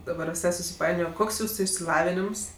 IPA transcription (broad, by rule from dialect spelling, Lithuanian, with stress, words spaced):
dɐˈbɐr ʋʲɪˈsɐɪ sʊsʲɪˈpɐɪnʲoːjoː ˈkoːks ˈjuːsʊ ɪʃʲsʲɪˈlˠɑːʋʲɪnʲɪms